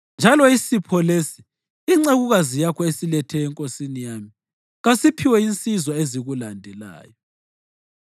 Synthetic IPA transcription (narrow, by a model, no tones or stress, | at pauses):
nd͡ʒʱalɔisipʰɔlesiː | ŋ͡ǀeɣuɣazijakʰɔesilɛtʰɛːŋkʼosinijami | ɣasipʰiwɛint͡sʼizɔeziɣulandʱɛla̰ːjɔ